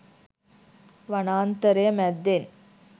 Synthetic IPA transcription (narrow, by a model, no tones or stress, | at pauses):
ʋɐnaːnt̪ɐɾemɐd̪ːen